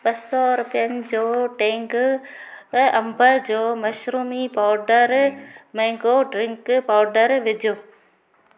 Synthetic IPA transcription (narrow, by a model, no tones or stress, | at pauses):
bɐsɔɾʊpijənɪ̆d͡ʑoːʈẽːŋɡ | ɐ̃mbəd͡ʑoːmɐʃɾuːmipaːɖəɾmɛ̃ːŋɡoɖɾɪ̃ŋkpaːɖəɾʋɪd͡ʑʱoː